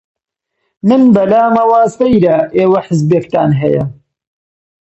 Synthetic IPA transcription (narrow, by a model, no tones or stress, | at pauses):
mɨnbɐlaːmɐwaːst̪ɐjɾɐʔeːwɐħɪzbeːkt̪aːnɦɛ̰jɐ̰